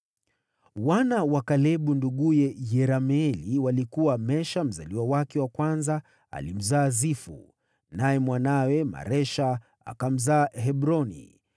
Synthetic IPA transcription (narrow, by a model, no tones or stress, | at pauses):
wanawakalɛɓunduɠujɛjɛɾamɛliwalikuwamɛʃam̩zaliwawakɛwakwanza | a̰lim̩zaːzifṵ | najɛmwanawɛma̰ɾɛʃa | a̰kam̩zaːɦɛbɾɔnḭ